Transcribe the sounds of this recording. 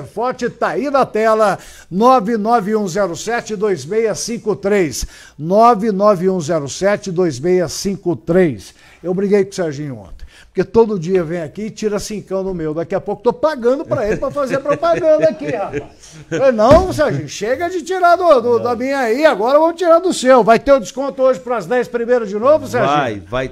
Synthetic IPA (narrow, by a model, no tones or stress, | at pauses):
ɾfɔɾt͡ʃɪt̪aid̪ɐt̪ɛlɐ | nɔvɪnɔvɪũzɛɾʊsɛt͡ʃɪd̪ojzmejɐsĩkʊt̪ɾes | nɔvɪnɔvɪũzɛɾʊsɛt͡ʃɪd̪ojzmejɐsĩkʊt̪ɾejs | ewbɾiɡejkõsɛɾʒĩɲõ̰t̪ẽj̃poɾket̪od̪ʊd͡ʒiɐvẽj̃akiɪt͡ʃiɾɐsĩkɐ̃w̃d̪ʊmewd̪akiɐpowkʊt̪opaɡɐ̃nd̪ʊpɾɐelɪpɾɐfazeɾɐpɾopaɡɐ̃nd̪ɐkihafa | enɐ̃w̃s̬ɛɾʒĩʃeɡɐd͡ʒɪt͡ʃiɾad̪ʊd̪ʊd̪ɐmĩɲɐiaɡɔɾɐvɐ̃mʊt͡ʃiɾaɾd̪ʊsɛwvajt̪ẽʊd͡ʒɪskõnt̪ʊoʒɪpɾɐɐzd̪ɛspɾimejɾɐzd͡ʒɪnovʊs̬ɛɾʒĩjvaj